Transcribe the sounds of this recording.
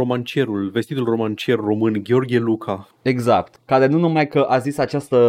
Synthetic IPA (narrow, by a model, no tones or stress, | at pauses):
o̞mant͡ʃie̞ɾulve̞st̪it̪ulro̞mant͡ʃie̞rro̞mɨnɡʲeo̞rɡʲelukʰa | eɡzakt̪kaɾe̞nunumajkəʔazisat͡ʃast̪ə